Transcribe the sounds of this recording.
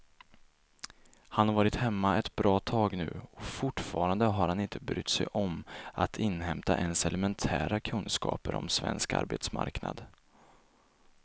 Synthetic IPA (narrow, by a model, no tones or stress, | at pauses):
hanhaɾvɑːɾɪt̪hɛmːaɛt̪bɾɑːt̪ʰɑːɡnʉ̟ːɔfʊʈfɑːɾand̪əɦaɾhanɪnt̪ʰəbɾʏ̰t̪ːsɛjʔɔmat̪ʰɪnːɦɛmt̪aʔɛnsɛlɛmɛnt̪ʰæːɾakʰɵnskɑ̰ːpəɾɔ̰msvɛ̰nska̰ɾbet̪sma̰ɾkna̰d̪